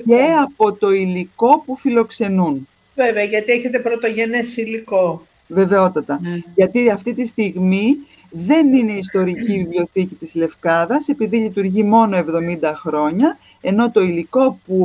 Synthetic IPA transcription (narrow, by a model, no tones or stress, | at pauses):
e̞ɐpo̞t̪o̞iliko̞pufilo̞kse̞nun | veveɐʝɐt̪ieçet̪epɾot̪o̞ʝe̞nesiliko | ve̞ve̞o̞t̪ɐt̪ɐʝɐt̪iɐft̪it̪ist̪iɣmi | ðe̞nine̞is̬t̪o̞ɾicivlio̞θicit̪izle̞fkɐðɐse̞piðiʎit̪uɾʝimo̞no̞e̞vðo̞mind̪ɐxɾo̞ɲɐ | e̞no̞t̪o̞iliko̞pu